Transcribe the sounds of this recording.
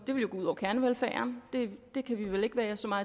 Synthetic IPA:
d̥e̝ʋeljo̝ɡɔuð̰ˠɒʊkʰæɐnəʋelfæ̰ːɐnd̥e̝d̥e̝kʰæʋiʋele̝ɡ̥ʋæɐsɒ̽mɑ̈ː

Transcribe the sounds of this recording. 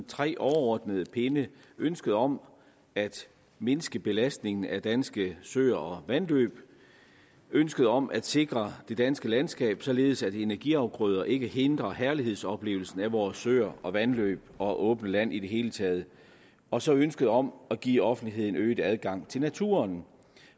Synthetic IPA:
t͡sʰʁɛ̰ːʔɒʊɐɒ̰ːd̥nəð̞ˠəpʰe̝nə | ønsɡ̥əð̞̩ˠɒ̽m | æd̥ | me̝nəsɡ̥əb̥e̝læsd̥ne̝ŋn̩æd̥ænsɡ̥əsøɐɒ̽ʋænlø̰ːb̥ | ønsɡ̥əð̩ˠɒ̽mʔæd̥se̝ɡ̥ʁɐd̥e̝d̥ænsɡ̥əlænsɡ̥ɛ̰ːb̥sɒ̽le̝ːð̞̩ˠsæd̥ee̝næɐɡ̥iɑ̈ʊɡ̥ʁœð̞ˠɐʔe̝ɡ̥əhe̝nd̥ʁɐhæɐliɦe̝ð̞̰ˠsɒ̽b̥le̝̰ːʊl̩sn̩æʋɒːsːøːɐɒ̽ʋænlø̰ːb̥̚ɒ̽ʔɔ̽ːb̥nəlæn̰ʔid̥e̝ɦe̝ːlət͡sʰɛːð̞ˠ | ɒ̽sɒ̽ønsɡ̥əð̞̩ˠɒ̽mæɡ̥ḭːɒ̽fn̩d̥iɦe̝ð̞̰ˠn̩øːɪd̥æðˠɡ̥ɑ̈ŋ̰t͡sʰe̝lnæt͡sʰṵɐn

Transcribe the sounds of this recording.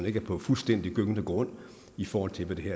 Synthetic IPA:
ne̝ɡ̥əɐpʰɒ̽fulsd̥en̰d̥iɡ̥øɡ̥ənəɡ̥ʁɔ̽n̰ | ifɒːhɒ̽l̰t͡sʰe̝lʋed̥e̝ɦeɐ̰

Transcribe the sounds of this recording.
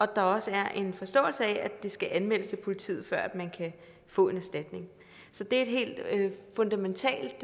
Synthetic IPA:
ʔɒ̽d̥ɑ̈ɒ̽səæɐʔe̝nfɒ̽sd̥ɔ̰̽ːl̩səɛæd̥e̝sɡ̥æʔænmel̰əst͡sʰe̝pʰo̝lit͡sʰḭːð̩ˠfɶɐ̰æd̥mænkʰæ | fɔ̰̽ːe̝næsd̥æd̥ne̝ŋ | sɒ̽d̥e̝ɐe̝d̥ɦe̝̰ːld̥øfɔ̽nd̥æment͡sʰɛ̰ːld̥

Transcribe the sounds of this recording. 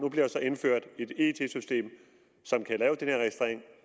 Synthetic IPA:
nub̥liɐsɒ̽e̝nføɐ̰d̥e̝d̥e̝t͡sʰe̝̰sysd̥e̝̰ːm | sɒ̽mkʰælɛːʊd̥enheɐʁɛɡ̥isd̥ʁḛeŋ

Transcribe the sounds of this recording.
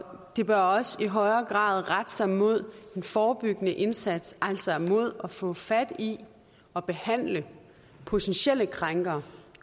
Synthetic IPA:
d̥e̝b̥ɶɐɒ̽siɦɒ̽ɪɐːɡ̥ʁɑ̰̈ːð̞ˠʁad̥sɑ̈ɪmo̝ð̞̰ˠe̝nfɒːb̥yɡ̥ənəʔe̝nsæd̥sʔæl̰sɒmo̝ð̞̰ˠɒ̽fɔ̰̽ːfæd̥i | ɒ̽b̥e̝hæn̰lə | pʰo̝t͡sʰenɕel̰əkʰʁɑŋɡ̥ɐː

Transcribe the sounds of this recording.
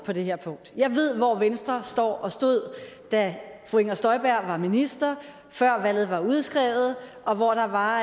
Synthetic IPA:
pʰɒ̽d̥e̝ɦeɐ̰pʰɔ̽ŋ̰d̥jɑ̈ɪʋe̝ð̞̰ˠʋɒʋensd̥ʁɐsd̥ɒ̰ːɒ̽sd̥o̝ð̞̰ˠ | d̥æfʰueŋɐsd̥ɒ̽ɪb̥æɐ̰ʋɑ̈minisd̥ɐ | fɶɐ̰ʋæl̰ð̩ˠʋɑ̈uð̞ˠsɡ̥ʁɛːʊð̩ˠʔɒ̽ʋɒd̥ɑ̈ʋɑ̈

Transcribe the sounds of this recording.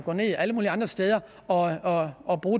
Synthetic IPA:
ɡ̥ɔ̰ne̝̰iʔæləmuːliɑ̈nd̥ʁɐsd̥eːð̞ˠɐ | ɒ̽ɒɒb̥ʁuː

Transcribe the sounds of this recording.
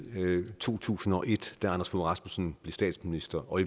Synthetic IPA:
t͡sʰo̝̰ːt͡sʰṵːsn̩ɒ̽ʔe̝d̥d̥æɑnɐsfoʁɑ̈smo̝sn̩b̥le̝sd̥ɛ̰ːd̥sminisd̥ɐɒ̽i

